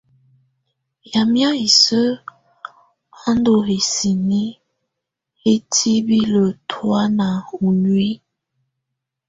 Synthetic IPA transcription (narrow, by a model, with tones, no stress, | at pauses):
ja˨mja˦i˨sə˦ | a˦ndo˨he˨si˨ni˦ | he˦tʰi˦bi˦lə˨tʰwa˦na˨u˨nwi˦